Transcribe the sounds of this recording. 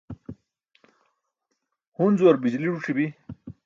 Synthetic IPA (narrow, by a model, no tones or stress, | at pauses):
hunzwɐɾbid͡ʑliɽuʈ͡ʂʰibi